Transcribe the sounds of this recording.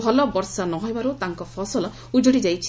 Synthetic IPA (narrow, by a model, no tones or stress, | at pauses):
ɔlɔbɔɾsanɔɦɔjbaɾot̪aŋkɔpʰɔsɔl | ud͡ʒoɽid͡ʒajt͡ʃʰ